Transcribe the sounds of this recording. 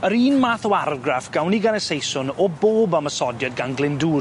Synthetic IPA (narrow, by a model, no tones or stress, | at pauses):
əɾiːnmaːθɔwaɾɡrafɡ̥awniɡanəsejsʊnɔboːbaməsɔdjad̚ɡanɡlɪnduː